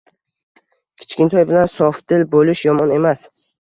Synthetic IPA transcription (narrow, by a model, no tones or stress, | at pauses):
kʲʰɪ̥t͡ʃkʲɪnt̪ʰɒjbɪlansɒfd̪ɪlbolɪʃjɒmɒne̞mas